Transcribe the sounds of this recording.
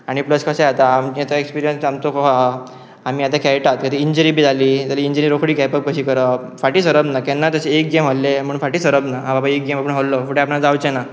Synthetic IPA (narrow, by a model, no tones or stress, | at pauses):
aɽ̃ipləskʰəseat̪aːmet̪əekspiɾijə̃nsamt͡s̪okɔɦa | amiːat̪akʰɛʈat̪kət̪iiɲd͡ʑəɾibʱiːd͡zʱaliːt̪aliiɲd͡ʑinəɾokʰɽiːɡɛpəb̚kəɕiːkəɾəfaʈiːsəɾəbnakɛnːat̪əseek̚ɡemɦolːem̤əɳfaʈiːsəɾəbnaɦãbabaek̚ɡemapəɳɦolːofuʈeapnad͡zawt͡ɕena